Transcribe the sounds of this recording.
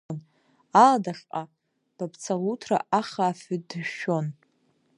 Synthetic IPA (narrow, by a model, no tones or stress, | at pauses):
n | aladaχqʼa | b̥apʰt͡sʰaʁutʰra̰ʔaχaːfʏdʃo̞n